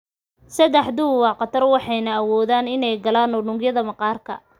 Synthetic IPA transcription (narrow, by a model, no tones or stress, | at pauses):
sɐd̪ɛħd̪ʊwɑːqɑt̪ʰɐrwɑħɑjnɐːwɔːðaːnɪnɛjɡɐlaːnʊnʊŋɡjɐðɐmɐqɑːrkʰɐ̰